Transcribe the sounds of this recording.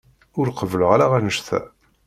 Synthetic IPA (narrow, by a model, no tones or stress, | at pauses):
ʊɾqəvələʁaɾaʁænəʃθæ̰